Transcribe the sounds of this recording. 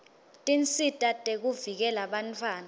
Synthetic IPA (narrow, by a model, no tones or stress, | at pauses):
tʼint͡sʼitʼatʼek̬uvik̬ɛlaɓantʰwaːna